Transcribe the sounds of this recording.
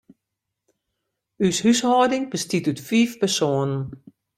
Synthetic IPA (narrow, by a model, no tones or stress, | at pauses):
yshyshɔːdɪŋb̥əstitytfiːfpɛrsoːənən